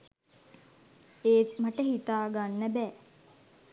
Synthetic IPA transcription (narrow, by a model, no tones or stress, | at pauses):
eːmaʈəhit̪aːɡanːæbɛː